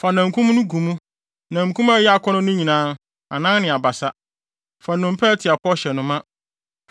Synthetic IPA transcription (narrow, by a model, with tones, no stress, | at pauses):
fa˨nã˨ŋ̩˨kʰũ˦m˦nʊ̃˦ɡũ˨mũ˦ | nã˨kʰũ˦ma˦jɛ˦a˨kʰɔ˦nʊ̃˦nʊ̃˦ɲĩ˨nãː˦n | a̰˨nã˦nnɪ̃˨a˨ba˨sa˦ | fa˨nʊ̃˨m˦pʰɛ˦tʰɪ˨a˨pʰɔ˦ɕɛ˨nʊ̃˨mã˦